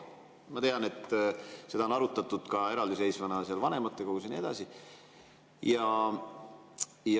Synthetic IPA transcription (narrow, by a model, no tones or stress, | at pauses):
mɑt̪e̞ɑne̞t̪ːˑsed̥̪ɑonɑɾut̪ˑːɑt̪ːˑud̪̥kɑe̞ɾɑld̪isejsvɑnɑseɑlvɑne̞mɑt̪ːˑe̞koɡus̬enie̞d̪̥ɑ̰si | jɑ | j